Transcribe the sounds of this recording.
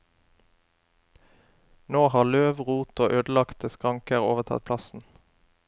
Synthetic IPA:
noːhɑːløːʋʁuːt̪oːʔøːd̪l̩ɑkt̪̚d̪əskʁɑŋkəʁoːʋət̪ʰɑ̰t̪̚pʰlɑsn̩

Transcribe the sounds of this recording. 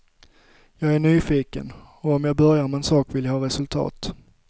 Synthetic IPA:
jɑːɡæɳyːfiːkə̰n | ɔɔmjɑːbœɾjaɾmɛɛnsɑːkvɪljahɑːɾɛsɵlt̪ʰɑ̰ːt̪

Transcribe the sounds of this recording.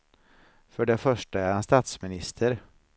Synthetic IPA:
fœɖɛfœʂʈaæɾhanst̪aːt̪smɪnɪst̪ʰəɾ

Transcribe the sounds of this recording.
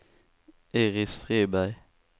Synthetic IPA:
eːʁɪsfʁeːbæɪ

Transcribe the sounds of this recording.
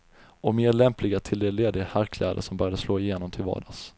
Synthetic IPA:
ɔmeːɾɭɛmplɪɡat̪ʰɪld̪ɛleːd̪ɪɡahæɾkʰlʔɛ̰ːd̪ə̰ʂɔmbœːɾjad̪əsloːɪjeːnɔmt̪ʰɪlvɑ̰ːɖas

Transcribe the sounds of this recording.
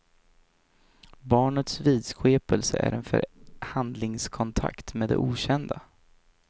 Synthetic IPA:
bɑːɳət̪sviːd̪sɧeːpəlsəʔæ̰ɾɛnfœ̰ɾhand̪lɪŋskʰɔnt̪ʰa̰kt̪meːd̪ɛ̰ʔuːɕɛnd̪a

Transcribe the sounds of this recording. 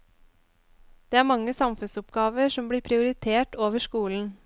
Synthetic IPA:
d̪̥eːæːɾmɑŋːəsɑmfʉnsɔpɡ̥ɑːʋəɾʂɔmbɽiːpʰɾɪʊɾɪt̪ʰeːʈoːʋəʂkuːln̩

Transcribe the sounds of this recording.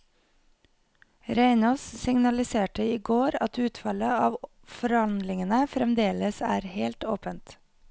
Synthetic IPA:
ɾæɪnoːssɪŋnɑlɪseːʈəiːɡoːɾɑt̪ʉːt̪fɑləɑːʋ | fɔɾhɑnd̪lɪŋənəfɾɛmd̪eːləsæːɾheːlt̪oːpənt̪

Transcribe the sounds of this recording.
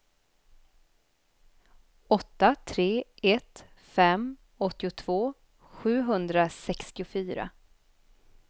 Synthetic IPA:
ɔt̪ːat̪ʰɾeːɛt̪fɛm | ɔt̪ːɪʊt̪ʰv̥oː | ɧʉ̟ːɦɵnd̪ɾasɛkst̪ɪʊfyːɾa̰

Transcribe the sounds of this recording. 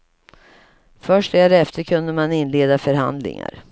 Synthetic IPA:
fœʂʈɛɾɛft̪əɾkʰɵnd̪əmanɪnleːd̪afœɾɦa̰nd̪lɪ̰ŋa̰ɾ

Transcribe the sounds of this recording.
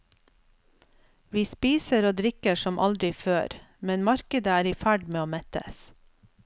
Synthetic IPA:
ʋiːspiːsəɾoːd̪ɾɪkəʃɔmʔɑ̰ld̪ɾɪføːɾmɛnmɑɾkəd̪əæːɾiːfæɖmeːoːmɛt̪ə̰s

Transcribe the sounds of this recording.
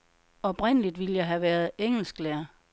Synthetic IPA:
ɒ̽b̥ʁen̰əlid̥ʋiləjɑ̈ɪɦæʋæːɐð̞ˠeŋ̰l̩sɡ̥læɐ

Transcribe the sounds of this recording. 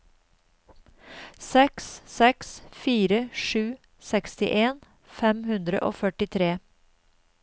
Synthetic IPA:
sɛkssɛksfiːɾəʃʉː | sɛkst̪ɪ̰ʔeːn | fɛmhʉnd̪ɾə̰ʔo̰ːfœʈɪt̪ʰɾeː

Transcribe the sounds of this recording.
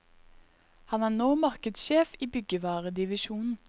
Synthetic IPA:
hɑnæːnoːmɑʁkəd̪sʃeːfiːbʏɡəʋæːʁəd̪ɪʋɪʃuːnn̩

